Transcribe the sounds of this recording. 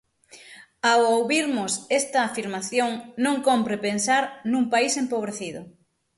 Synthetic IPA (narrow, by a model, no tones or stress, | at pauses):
awowβiɾmʊsest̪ɐːfiɾmaθjoŋnõŋkompɾepensaɾnuŋpaisempoβ̞ɾeθiðʊ